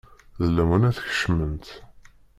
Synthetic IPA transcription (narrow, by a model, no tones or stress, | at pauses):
ðəlːæwənæθçə̥ʃmənt̪